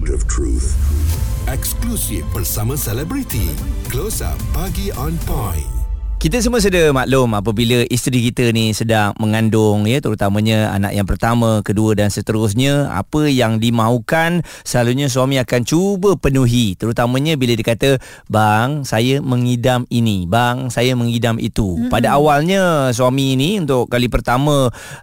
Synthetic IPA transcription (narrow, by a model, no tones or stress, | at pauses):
əv̥tʰɹṵθ | ɛksklusifbərsamə̃sɛlɛbɾit̪ḭklosa̰paɡiɔ̃npajnkit̪əs̬əmuəs̬udəmaʔlʊmap̬əbiləʔist̪ɾikit̪ənisədaŋməŋandʊŋjət̪əɾut̪amə̃ɲəa̰na̰ʔjaŋpərt̪amə̃kəduədansət̪əɾʊs̬ɲə̃a̰pəjaŋdimãɦukan | səlaluɲəs̬uamĩakant͡ʃubəpənuɦit̪əɾut̪amə̃ɲə̃bilədikat̪ə | baŋsajəmə̃ŋidaminibaŋsajəmə̃ŋɦidamḭt̪upadaawalɲə̃s̬uamiːniunt̪ʊʔkalipərt̪amə̃